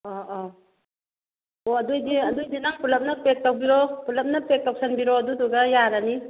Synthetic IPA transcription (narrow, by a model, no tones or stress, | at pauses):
ɔʔɔ | oɐd̪ujd̪iɐd̪ujd̪inaŋpulɐp̚napek̚taw̚biɾɔpulɐp̚napek̚tak̚sanbiɾɔɐd̪ud̪uɡajaɾani